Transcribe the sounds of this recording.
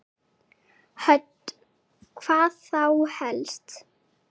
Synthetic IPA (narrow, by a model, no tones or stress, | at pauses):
hœt̪ | kʰv̥aːθawhɛlst̪